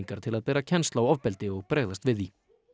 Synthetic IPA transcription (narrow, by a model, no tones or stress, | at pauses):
ŋkaɾ̥t̪ʰɪlaðpɛːɾacʰɛnst̪lawɔvpɛlt̪ɪɔɣpɾeːɣðast̪vɪði